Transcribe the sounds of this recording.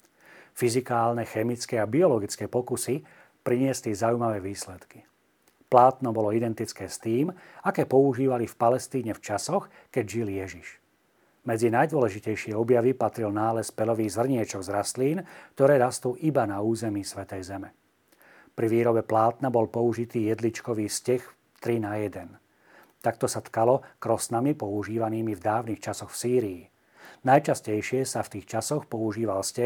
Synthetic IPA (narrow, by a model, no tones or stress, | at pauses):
fizikaːlnɛxɛmit͡skɛabiɔlɔɡit͡skɛːpɔkusi | pɾiɲɪɛslizaujmaʋɛːʋiːslɛt̪ki̥ | plaːt̪nɔbɔlɔid̪ɛnt̪it͡skɛːst̪iːmakɛːpɔuʒiːʋalifpalɛst̪iːɲɛft͡ʃasɔx | kɛɟʒiljɛʒiʃ | mɛd͡zinajd̪ʊɔlɛʒicɛjʃɪɛɔbjaʋipat̪ɾilnaːlɛspɛlɔʋiːɣzr̩ɲɪɛt͡ʃɔɡzɾast̪liːnk̚t̪ɔɾɛːɾast̪uːʔibanauːzɛmiːsʋɛt̪ɛjzɛmɛ | pɾiʋiːɾɔbɛplaːt̪nabɔlpɔuʒit̪iːjɛd̪lit͡ʃkɔʋiːscɛx | t̪ɾinajɛd̪ɛn | t̪ak̚t̪ɔsat̪kalɔkɾɔsnamipɔuʒiːʋaniːmivd̪aːʋnixt͡ʃasɔxfsiːɾiː | najt͡ʃascɛjʃɪɛsaft̪iːxt͡ʃasɔxpɔuʒiːʋalscɛ